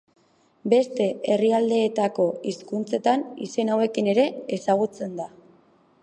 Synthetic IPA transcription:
be̞st̪e̞eriald̪e̞ːt̪ako̞iskunt͡se̞t̪anḭse̞nawe̞kine̞ɾe̞ːsaɣ̞ut͡se̞nd̪a

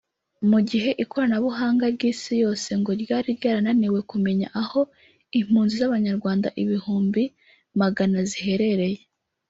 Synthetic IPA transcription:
muɟiɦe̞ʔiko̞ɾanaβuɦaːŋɡaɾɟiːsijo̞ːse̞ŋɡo̞ɾjaːɾiɾɟaːɾananiwe̞kume̞ɲa̰ʔaho̞ | im̥huːnzizaβaɲaɾɡwaːnda̰ʔiβihuːmbi | maɡanazihe̞ɾe̞ɾe̞je

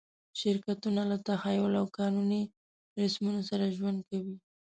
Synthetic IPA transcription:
ʃɪɾkat̪unalat̪ahajʊlawkɑnuni | ɾɪsmunosaɾaʒwand̪̚kawi

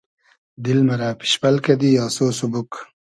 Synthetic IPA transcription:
d̪ilmɐɾaːpi̥ɕpɐlkɐd̪ijɑːsoːsubuk

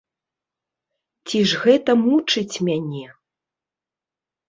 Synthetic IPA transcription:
t͡sʲiʐɣɛt̪ɐmut͡ʂɨt͡sʲmʲanʲɛ

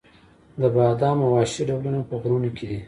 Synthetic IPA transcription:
d̪əbɑd̪ɑmawɑʃiɖawlunopəɣɾunikʰed̪i

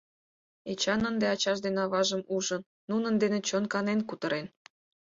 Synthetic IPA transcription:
et͡ɕɑnənd̪eɑt͡ɕɑʃd̪enɑβɑʒəmuʒənːunənd̪enet͡ɕonkɑnenkut̪əɾen

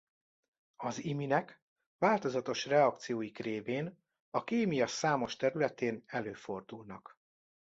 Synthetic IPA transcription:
ɒziminɛk | ʋaːlt̪o̞zɒt̪o̞ʃrɛɒk̚t̪sijoːjikreːveːn | ɒkeːmijɒsaːmo̞ʃt̪ɛɾylɛt̪eːnɛløːfo̞rd̪ulnɒk

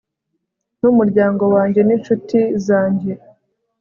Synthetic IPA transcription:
numuɾɟaːŋɡo̞waːɲɟe̞ninʃutizaːɲɟe̞

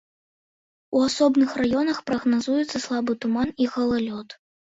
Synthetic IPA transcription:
uasɔbnɨxrajɔnɐxpɾɐɣnazujɛt̪sːɐslˠabɨt̪umaniɣɐlˠalʲɔt̪

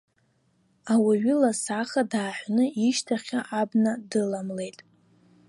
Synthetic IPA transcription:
awiɥɪlasaχadaːħʷnɨiʃtʰaχʲaʔabnadɨlamle̞jtʼ

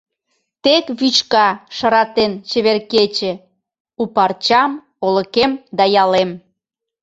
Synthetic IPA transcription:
t̪ekβyt͡ɕkɑʃɑɾɑt̪ent͡ɕeβerket͡ɕĕ | upɑrt͡ɕɑm | olə̆kemd̪ɑjɑlem

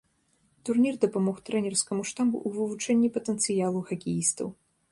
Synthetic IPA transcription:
t̪urnʲird̪ɐpamɔxt̪ɾɛnʲɛrskɐmuʂt̪abṵʔːvɨvut͡ʂɛnʲːipɐt̪ɛnt̪sɨjalˠuxɐkʲijist̪ɐ̰w

